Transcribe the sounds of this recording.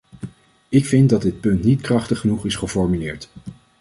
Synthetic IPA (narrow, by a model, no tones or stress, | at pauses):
ɪkfɪnt̚dɑd̚ɪt̚pɵntnitkrɑχtəχənuχɪsχəfɔɹmylɪːɹt